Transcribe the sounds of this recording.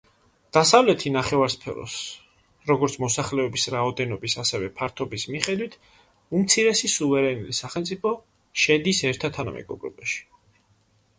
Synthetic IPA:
d̪̥asavlɛt̪ʰinaχɛvaɾspʰɛ̰ɾɔ̰s | ɾɔɡɔɾt̪sʰmɔsaχlɛɔbisɾaɔd̪ɛnɔbisasɛvɛpʰaɾt̪ʰɔbismiχɛd̪wit̪ʰ | umt̪sʰiɾɛsisuvɛɾɛnulisaχɛlmt̪sʼipʰɔ | ʃɛd̪isɛɾt̪ʰat̪ʰana̰mʔɛ̰ɡɔbɾɔ̰baʃi̥

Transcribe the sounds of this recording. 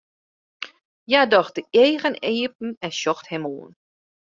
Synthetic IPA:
jadɔxdəeːɣəneːp̚n̩ɛnʃɔxthɛmoːən

